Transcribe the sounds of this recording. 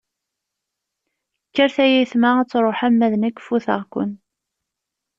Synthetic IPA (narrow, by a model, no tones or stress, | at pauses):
kːəɾθæjiθmaæt͡sːɾˤoħamːæðnækːfuθə̰ʁkʷə̰n